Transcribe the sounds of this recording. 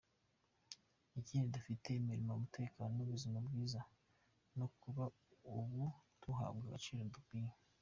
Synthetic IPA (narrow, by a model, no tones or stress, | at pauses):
iciːndidufite̞miɾimamutʰe̞ːkaːnonuβuzimabɡiːza | nokuβa | uβutuɦa̰ːbɡaɡat͡ʃiːɾodukiɲe